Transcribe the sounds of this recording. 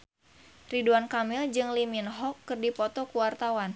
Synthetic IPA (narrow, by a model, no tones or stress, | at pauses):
riduankamild͡ʒɨŋliminɦɔkːɨrdipɔt̪ɔkuwart̪awan